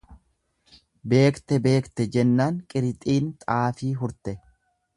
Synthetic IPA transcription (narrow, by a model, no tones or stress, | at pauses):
be̞ːkt̪ɛbe̞ːkt̪ɛd͡ʒɛnːaːŋkʼɪɾɪt̪ʼiːnt̪ʼaːfiːɦʊɾt̪ɛ